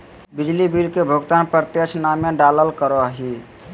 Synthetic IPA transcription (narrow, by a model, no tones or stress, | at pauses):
bid͡ʒlibilkebʱoɡt̪anpɾət̪esʰnameɖaləlkəɾɔɦi